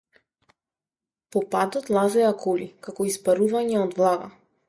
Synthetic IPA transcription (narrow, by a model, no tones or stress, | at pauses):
pɔpad̪ɔt̪lˠazɛjakɔlikakɔispaɾuvaɲɛɔd̪vlˠaɡa̰